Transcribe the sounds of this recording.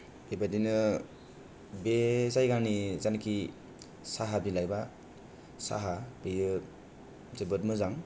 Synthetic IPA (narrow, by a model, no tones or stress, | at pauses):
ebadinɯ | bezajɡanizanki | saɦabilajba | sa̰ɦabejɯ | zɯbɯtmɯzaŋ